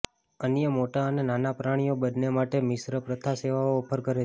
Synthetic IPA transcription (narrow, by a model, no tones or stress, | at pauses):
ənjəmoʈaənenanapɾaɽ̃ijobəd̪nemaʈemɪsɾəpɾət̪ʰaseʋaoːpʰəɾkəɾe